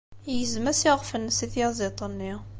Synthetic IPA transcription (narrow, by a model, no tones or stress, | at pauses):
jəzmæsiʁfənːəsiθjɑzit̪ˤənːi